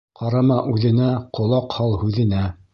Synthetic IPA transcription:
qɑɾɑmɑʔʉðɘ̆næqʰŏlˠɑqhɑlˠhʉðɘ̆næ

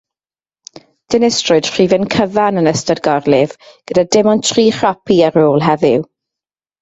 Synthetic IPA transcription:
d̥ɪnɪstrʊd̥χr̥iːvɛnkʰəvanənəstadɡɔrlɪvɡ̥ədadɪmɔntʰriːχrapʰiaɾoːlˠɦɛvɪw

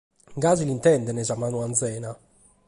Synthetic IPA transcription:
ŋɡaːzilint̪ɛnd̪ɛnɛzamaːnuand̪zɛːna

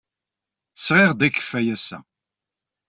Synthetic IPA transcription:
θə̥sʁɪʁd̪ækːə̥fæjæsæ̰

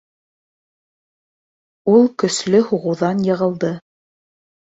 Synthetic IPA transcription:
ulˠkɵ̆slɵhuʁɤ̆wðɑnjɤ̆ʁɤ̆lˠd̪ɤ

